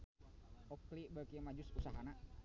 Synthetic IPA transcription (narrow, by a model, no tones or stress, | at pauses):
ɔklibakimad͡ʒʊsusaɦana